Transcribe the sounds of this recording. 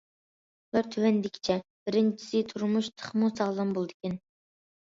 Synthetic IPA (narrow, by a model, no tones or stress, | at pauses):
bæɾt̪ʰywɛnd̪ɪkʲʰt͡ʃʰɛb̥ɪɾɪnt͡ʃʰi̥sɪt̪ʰuɾmuʃt̪ʰə̥χmusɑʁlˠɑnbolˠd̪ɪkʲɛn